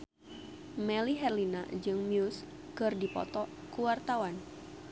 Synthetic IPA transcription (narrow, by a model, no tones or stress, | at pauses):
mɛliɦɛrlina̰d͡ʒɨŋmjus | kɨrdipɔ̰t̪ɔ | kuwart̪awan